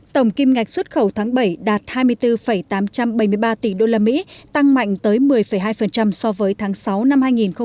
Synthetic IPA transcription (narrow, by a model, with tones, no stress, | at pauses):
t̪ə˧˩wŋ͡mki˧mŋa˨˩jk̟̚swə˦˥t̚xə˧˩wt̪ʰaː˨˦ŋɓə˧˩jɗaː˨˩t̚haː˧jmɨ˧əjt̪ɨ˧fə˧˩jt̪aː˨˦mt͡ɕa˧mɓə˧˩jmɨ˧əjɓaː˧t̪i˧˩ɗo˧laː˧mḭ˧˥t̪a˧ŋma̰˧˨ŋ̟t̪əː˨˦jmɨ˨˩əjfə˧˩jɦaː˧jfə˨˩nt͡ɕa˧msɔ˧vəː˨˦jt̪ʰaː˨˦ŋsa˨˦wna˧mhaː˧jŋi˨˩nxə˧